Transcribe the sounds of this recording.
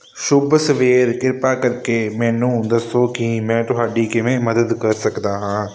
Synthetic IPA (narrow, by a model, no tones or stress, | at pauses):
ʃʊbsəʋeːɾkɪɾpaːkəɾkeːmɛ̃ːnũːd̪əsoːkɪmɛ̃ːt̪ʊɦaːɖiːkɪʋẽːməd̪əd̪kəɾsəkd̪aːɦãː